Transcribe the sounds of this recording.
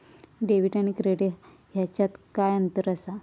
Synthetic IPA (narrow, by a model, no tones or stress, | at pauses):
ɖeʋiʈaɽ̃ikɾeɽe | ɦjat͡ɕat̪kajənt̪əɾəsa